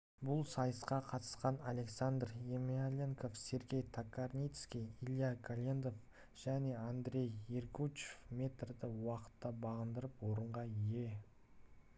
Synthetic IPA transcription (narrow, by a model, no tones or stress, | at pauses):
bʊlˠsɑjəsqɑqʰɑt̪ə̥sqɑnalʲe̞ksand̪rjemialʲeŋko̞fse̞ɾɡʲe̞jt̪ʰakarnʲijt̪skʲijilʲˠijakʰalʲend̪o̞f | ʒ̥æne̞and̪ɾʲe̞jerkut͡ʃefme̞t̪rd̪ɪwɑqə̥t̪ːɑbɑʁənd̪əɾəpwo̞ɾəɴʁɑije̞